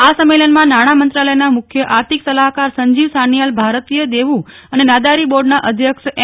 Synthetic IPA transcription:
asəmːelənmãnaɽ̃amənt̪ɾaləjnamʊkʰjəʔaɾt̪ʰiksəlaɦkaɾsəɲd͡ʒiʋsanijalbʱaɾət̪ijəd̪eʋũənenad̪aɾiboɾɖnaʔəd̪ʱjəkʃ

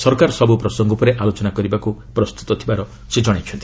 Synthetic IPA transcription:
sɔɾkaɾɔsɔbupɾɔsɔŋɡɔpɔɾeʔalot͡ʃɔnakɔɾibakupɾɔst̪u̥t̪ɔt̪ʰibaɾɔ | sed͡ʒɔɽ̃et͡ʃʰɔnt̪i̥

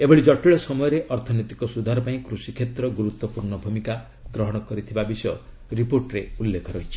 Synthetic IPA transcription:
ebɔɭid͡ʒɔʈiɭɔsɔmɔjɔɾeʔɔɾt̪ʰɔnɔt̪ikɔsud̪ʱaɾɔpaĩkɾusikʰet̪ɾɔɡuɾut̪wɔpuɾɳɔbʱumika | ɡɾɔɦɔɽ̃ɔkɔɾit̪ʰibabisɔjɔ | ɾipoɾʈɾeulːekʰɔɾɔɦit͡ʃʰi̥

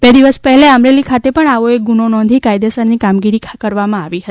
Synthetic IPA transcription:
bed̪iʋəspəɦɛleəmɾelikʰat̪epəɳaʋoek̚ɡunonɔ̃nd̪ʱikajd̪esəɾnikamɡiɾikʰkəɾʋamãaʋiɦə

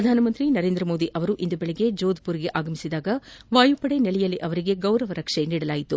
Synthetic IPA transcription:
ɾɐd̪ʱaːnɐmɐnt̪ɾinɐɾeːnd̪ɾɐmo̞ːd̪iʔɐʋɐɾuʔind̪ubeɭeɡe̞d͡ʒoːd̪puɾiɡe̞ʔaːɡɐmisid̪aːɡɐʋaːjupɐɽe̞nɛlɛjɐliʔɐʋɐɾiɡe̞ɡɐwɾɐʋɐɾɐkʂeniːɽɐlaːjit̪u

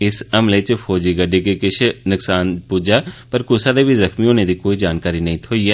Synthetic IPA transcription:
ɪsɐmlet͡ʃfʰɔːd͡ʒiɡɐɖekekɪt͡ʃʰenʊksaːnpuːd͡ʒapɐɾkʊsad̪ebʱizɐxmiɦoːned̪ikoːid͡ʒaːnkaːɾinɐɦĩt̪ʰoːiɛː

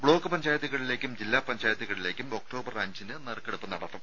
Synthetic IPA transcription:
bɭo̞ːkːɨpɐɲd͡ʑaːjɐt̪̬ːiɣɐɭile̞ːkʲːumd͡ʑilːaːpɐɲd͡ʑaːjɐt̪ːiɣɐɭile̞ːkʲːumo̞k̚ʈo̞ːbɐrɐɲd͡ʑinɨnɐrkːeɽupːɨnɐɽɐt̪ːum

